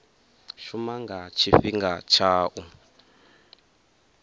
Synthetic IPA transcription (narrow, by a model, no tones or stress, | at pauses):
ʃumaŋɡat͡ʃʰiɸiŋɡat͡ʃʰaːʔu